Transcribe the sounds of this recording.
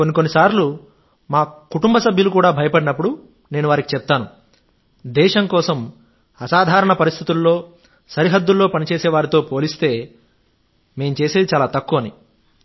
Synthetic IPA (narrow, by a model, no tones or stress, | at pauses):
konːiko̞nːisaːɾlu | maːkuʈumbɐsɐbʱjulukuːɽaːbʱɐjɐpɐɽinɐp̬ːuɽu | ne̞ːnuʋaːɾikit͡ʃɛp̚t̪aːnu | d̪ɛːʃɐŋkɔːsɐm | ɐsaːd̪ʱaːɾɐɳɐpɐɾist̪ʰit̪ulːo̞ː | sɐɾiɦɐd̪ːulːo̞ːpɐnit͡ʃeːsɛːʋaːɾit̪o̞ːpo̞ːlist̪e̞ː | me̞ːmut͡ʃeːseːd̪it͡ʃaːlaːt̪ɐkːuʋɐni